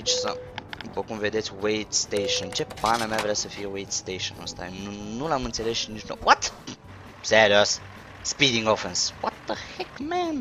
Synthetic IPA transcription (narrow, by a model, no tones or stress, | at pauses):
it͡ʃsə̰pokumved̪et̪sʲwejt̪st̪ejʃont͡ʃepanamavɾeasəfiewejt̪st̪ejʃo̰no̰st̪a̰nunulamɨnt̪selesʃnit͡ʃno̰wʔat̪ | seɾiosː | pid̪iŋɡofenswɔt̪əhɛkmɛn